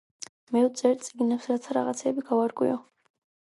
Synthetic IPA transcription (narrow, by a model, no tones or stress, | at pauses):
mɛut̪sʼɛɾt̪sʼiɡinapsɾat̪ʰaɾa̰ʁat̪sʰɛːbiɡavaɾkʼwḭɔ